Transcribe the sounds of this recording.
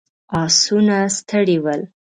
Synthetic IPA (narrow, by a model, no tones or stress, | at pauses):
ɑsunast̪ʰəɽiwəl